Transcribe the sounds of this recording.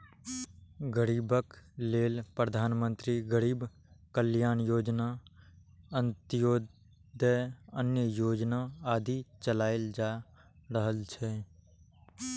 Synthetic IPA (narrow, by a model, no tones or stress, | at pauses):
ɡəɾiːbəkleːlpɾəd̪ʱaːnmə̃nt̪ɾiɡəɾiːb | kəljaːnjoːd͡ʒna | ənt̪joː | d̪əənjəjoːd͡ʒnaaːd̪ʱit͡ʃəlaːɪld͡ʒaː | ɾəɦəlt͡ʃʰɛː